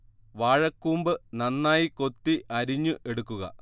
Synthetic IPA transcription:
ʋaːɻɐkːuːmbɨnɐnːaːjiko̞t̪ːiʔɐɾiɲːuʔe̞ɽukːuɣɐ̰

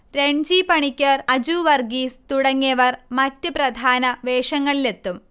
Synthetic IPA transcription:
ɾeɲd͡ʑipɐɳikʲːɐrɐd͡ʑuːʋɐrɡiːst̪uɽɐŋːijɐʋɐrmɐtːɨprɐd̪ʱaːnɐʋeːʂɐŋːɐɭile̞t̪ːum

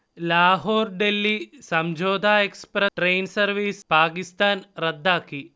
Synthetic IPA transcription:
laːɦoːɾɖelːisɐmd͡ʒoːd̪ʱaːekspɾɐʈɾeːnsɐɾʋiːspaːkist̪aːnɾɐd̪ʱːaːki

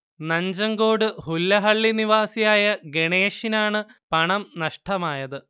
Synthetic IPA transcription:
nɐɲd͡ʑɐŋɡoːɽɨhulːɐɦɐɭːiniʋaːsijaːjɐɡeɳeːʂinaːɳɨpɐɳɐmnɐʂʈʰɐmaːjɐðɨ

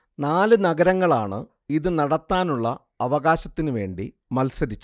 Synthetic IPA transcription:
naːlɨnɐɡɐɾɐŋːɐɭaːɳɨ̰ | iðɨnɐɽɐt̪ːaːnuɭːɐ | ɐʋɐɣaːɕɐt̪ːinɨʋe̞ːɳɖḭ | mɐlsɐɾit͡ɕːu

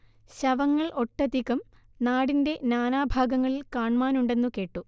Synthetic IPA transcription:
ɕɐʋɐŋːɐɭʔo̞ʈːɐd̪ikːɐm | naːɽinde̞naːnaːbʱaːɡɐŋːɐɭilkaːɳmaːnuɳɖe̞nːuke̞ːʈːu

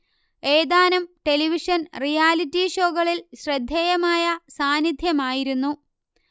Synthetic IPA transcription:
e̞ːd̪aːnɐmʈe̞liʋiʂɐnrijaːlitːiɕo̞ːɣɐɭilɕrɐd̪ʱjeːjɐmaːjɐsaːnid̪ʱjɐmaːjiɾunːu

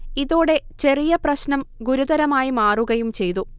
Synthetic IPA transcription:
iðoːɽe̞t͡ɕe̞rijɐprɐɕnɐmɡuɾuðɐɾɐmaːjimaːruɣɐjumt͡ɕe̞jt̪u

